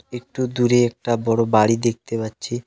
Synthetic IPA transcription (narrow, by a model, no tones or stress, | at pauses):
ek̚ʈud̪uɾeɛk̚ʈabɔɽobaɽid̪ek̚t̪epatːɕʰi